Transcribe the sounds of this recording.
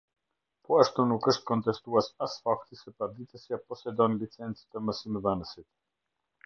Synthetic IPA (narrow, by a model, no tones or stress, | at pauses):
pɔaʃt̪unukəʃt̪kɔnt̪ɛst̪uasasfakt̪isɛpaɾd̪it̪ɛsjapɔsɛd̪ɔnlit͡sɛnt͡si̥t̪əməsimɛvɛnəsit̪